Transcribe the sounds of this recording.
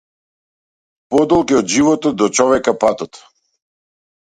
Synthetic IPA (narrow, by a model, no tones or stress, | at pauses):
pɔd̪ɔlˠkiɔd̪ʒivɔt̪ɔd̪ɔt͡ʃɔvɛkapat̪ɔt̪